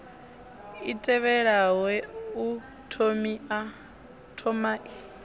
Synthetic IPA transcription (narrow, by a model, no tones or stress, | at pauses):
itʼɛβɛɺawɛu | tʰomia | tʰɔmaːʔi